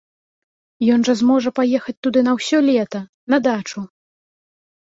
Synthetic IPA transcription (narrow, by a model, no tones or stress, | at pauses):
jɔnʐɐzmɔʐɐpajɛxɐt͡sʲt̪ud̪ɨnɐwsʲɔlʲɛt̪ɐ | nɐd̪at͡ʂu